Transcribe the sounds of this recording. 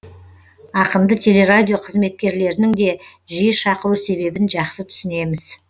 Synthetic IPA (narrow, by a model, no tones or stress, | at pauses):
ɑqəmd̪ət̪ʲʰe̞le̞ɾad̪ʲijo̞qʰəzme̞t̪̚kʲe̞ɾle̞ɾɪnɪŋd̪e̞ʒijəʃɑqəɾuse̞βe̞bɪnʒɑqsət̪ʰʏ̥sɪne̞mɪz̥